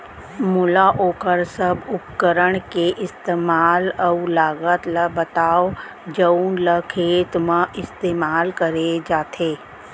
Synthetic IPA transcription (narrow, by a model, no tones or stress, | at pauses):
mʊlaʔoːkəɾsəbʊpkəɾəɽ̃keʔɪst̪eːmaːləlaːɡət̪ləbət̪aːo | d͡ʒənləkʰeːt̪mãʔɪst̪eːmaːlkəɾed͡ʒaːt̪ʰeː